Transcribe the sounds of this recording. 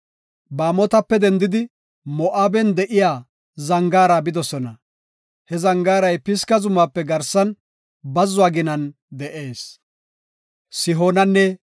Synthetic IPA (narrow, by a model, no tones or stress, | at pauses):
baːmɔt̪ɐpːɛd̪ɛnd̪ɪd̪ɪ | mɔʔaːbɛnd̪ɛʔɪjaː | zɐŋɡaːɾabɪd̪ɔsɔnɐ | hɛzɐŋɡaːɾɐjpɪskɐzʊmːaːpːɛɡɐɾsɐn | bɐzːʊaːɡɪnɐn | d̪ɛʔe̞ːs | sɪɦoːnɐnːɛ